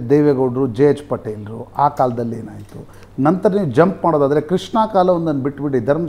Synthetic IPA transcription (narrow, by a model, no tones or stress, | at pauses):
d̪ejʋeːɡɐːɖɾud͡ʒeet͡ʃpɐʈːeːlɾuʔaːkaːlɐd̪ɐlːeːnaːjit̪u | nɐnt̪ɐɾɐniːʋud͡ʒɐmpmaːɽod̪aːd̪ɐɾe̞kɾiʂɳaːkaːlɐʋond̪ɐnːbiʈːbiɽid̪ʱɐɾmɐ